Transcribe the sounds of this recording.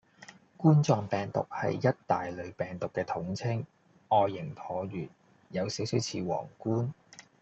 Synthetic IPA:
kuː˥nt͡sɔː˨ŋpɛː˨ŋt̪ʊ̰˨k̚hɐ̰˨jːɐ˥t̚t̪aː˨jlɵ˨˧ɥpɛː˨˩ŋt̪ʊ˨kːɛː˧t̪ʰʊ˨˥ŋt͡sʰɪ˥ŋ | ɔː˧jːɪ˨˩ŋp̪ʰɔː˨˧ɥyː˨˩t̚ | jɐ˨˧wsiː˨˥wsiː˨˥wt͡sʰḭː˧wɔ̰ː˨˩ŋkuː˥n

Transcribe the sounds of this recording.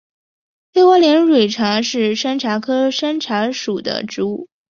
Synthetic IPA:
fe˥ɪwɔ˧˥ljɛ˧˥nɻwe˨˩ɪʈ͡ʂʰɑ˧˥ŋʂɻ̩˥˩ʂa˥nʈ͡ʂʰa˧˥kʰɤ˥ʂa˥nʈ͡ʂʰa˧˥ʂu˨˩d̪ə̰˧˦ʈ͡ʂɻu˧˥u˥˩

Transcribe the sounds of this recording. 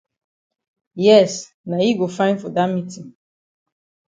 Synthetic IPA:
jɛ˦˨s | na˨ji˦ɡo˨fã˦ɪ̃nfɔ˨da˦tmi˦tĩ˨ŋ

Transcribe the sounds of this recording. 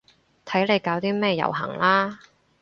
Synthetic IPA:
t̪ʰɐ˨˥jle˨˧jkaː˨˧wt̪iː˥mɛː˥jɐ̰˨˩wɦɐ̰˨˩ŋlaː˥

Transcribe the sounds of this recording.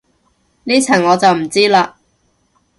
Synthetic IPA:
niː˥t͡sʰɐ˨˩ŋŋɔː˨˧t͡sɐ˨wm̩˨˩t͡siː˥laː˧

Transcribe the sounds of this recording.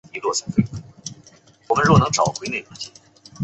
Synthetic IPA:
i˧˥lwɔ˥˩sɑ˧˥ŋfwe˥˩˥ | wɔ˨˩mə˧˦nɻwɔ˥˩nɤ˧˥ŋʈ͡ʂɑ˨˩ʊxwne˥˩ɪʈ͡ʂt͡ɕʰi˥˩

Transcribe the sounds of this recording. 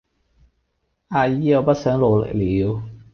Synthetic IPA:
ʔaː˧jiː˥jɐ˨˧wpɐ˥t̚sœː˨˥ŋlo˨˧lḛ˨k̚liː˨˧˥w

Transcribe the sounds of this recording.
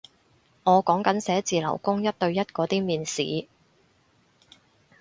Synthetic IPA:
ŋɔː˨˧kɔː˨˥ŋkɐ˨˧˥nsɛː˨˥t͡siː˨lɐ̰˨˩wkʊ˥ŋjɐ˥t̚t̪ɵ˧ɥjɐ˥t̚kɔː˨˥t̪iː˥miː˨nsḭː˨˦

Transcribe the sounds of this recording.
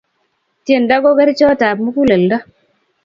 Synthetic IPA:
tje˦˨nda˦ɡɔ˦ɡɛ˦ɾt͡ʃɔ˦ta˨pmu˦ku˦le˨lda˦

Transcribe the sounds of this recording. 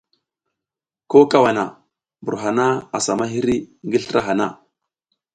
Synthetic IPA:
ko˦ka˦wa˨na̰˨ | bu˨ɾɦa˨na˦a˨sa˨ma˦ɦi˦ɾi˦ŋɡi˦ɬɾa˦ɦa˨na̰˦

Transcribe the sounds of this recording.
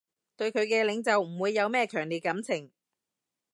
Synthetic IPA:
t̪ɵ˧ɥkʰɵ˨˧ɥkɛː˧lɪ˨˧˥ŋt͡sɐ˨wm̩˨˩wuː˨˧jːɐ˨˧wmɛː˥kʰœː˨˩ŋliː˨˩t̚kɐ˨˥mt͡sʰɪ˨˩ŋ

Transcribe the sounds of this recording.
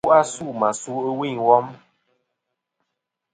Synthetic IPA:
a˦su˦˨ma˨su˦ə˦wi˦˨wɔ˦m

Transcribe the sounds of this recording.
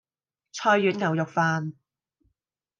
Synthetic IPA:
t͡ʃʰɔː˧jːyː˨˥nŋɐ˨˩wjʊ˨k̚faː˧n

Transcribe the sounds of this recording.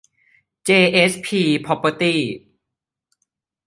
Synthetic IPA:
t͡ɕeː˧ʔe˦˥sʰpʰiː˧pʰɔ˧˥pə˧t̪iː˥˩

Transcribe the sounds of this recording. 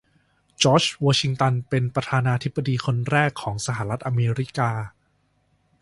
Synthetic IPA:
t͡ɕɔː˦˥t͡ɕwɔː˧t͡ɕʰi˧ŋt̪a˧npe˧npɾa˧t̪ʰaː˧naː˧t̪ʰi˦˥bːa˧diː˧kʰo˧nɾɛː˥˩kʰːɔː˩˦ŋsa˧ɦa˧˩ɾa˦˥t̪̚ʔa˧meː˧ɾi˦˥kaː˧

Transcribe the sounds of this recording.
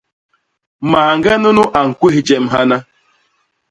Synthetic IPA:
maː˨ŋ̩˦ɡe˦nʊ˦nʊ˦ʔa˨ŋ̩˨kʷu˦ɦi˨d͡ʒe˦m̩˦ɦa˦na˦

